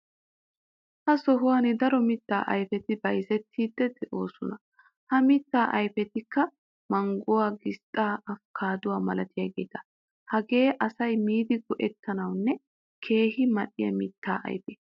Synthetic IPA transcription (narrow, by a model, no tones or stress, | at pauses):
hɐsɔɦʊwaːnɪd̪ɐɾɔmɪt̪ːaːʔɐjfɛt̪ɪbɐjzɛt̪ʰːiːd̪ːɛd̪ɛʔo̞ːsɔnɐ | hɐmɪt̪ːaːʔɐjfɛt̪ɪkːɐ | mɐŋɡʊwaːɡɪst̪ʼːaːʔɐfkʰaːd̪ʊwaːmɐlɐt̪ɪjaːɡḛːt̪ɐ̥ | hɐɡe̞ːʔɐsɐjmiːd̪ɪɡɔʔɛt̪ːɐnɐwnːɛ | kʰe̞ːhɪmɐɗːɪjɐ̰mɪt̪ːaːʔɐ̰jfeː